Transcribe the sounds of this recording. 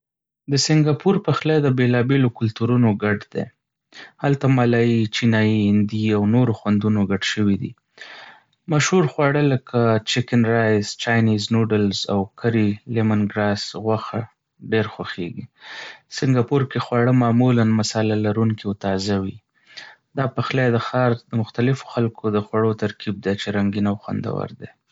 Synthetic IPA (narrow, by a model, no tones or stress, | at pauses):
d̪əsɪŋɡɑpuɾpəxlad̪əbelɑbelokʊlt̪uɾunoɡaɖd̪ḛ | halt̪amalɑjit͡ʃinɑjihɪnd̪iawnoɾoxwand̪unoɡaɖʃəwid̪ḭ | maʃhuɾxwɑɽələkʰat͡ʃɪkɪnɾajzt͡ʃɑjniznuɖɪlza̰wkʰaɾilemanɡɾɑsɣwaxa | ɖeɾxwaxḛɡisɪŋɡɑpoɾkexwɑɽəmɑmulanmasɑlalaɾuŋkit̪ɑzawi | d̪ɑpaxled̪əxɑɾd̪əmʊxt̪alɪfo̥xalkʰod̪əxwaɽot̪aɾkib̚d̪et͡ʃeɾaŋɡinawxwa̰nd̪a̰wa̰ɾd̪e